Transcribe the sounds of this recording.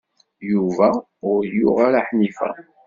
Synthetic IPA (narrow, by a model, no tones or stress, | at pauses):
juvæ | ʊɾjʊʁaɾaħnifæ̰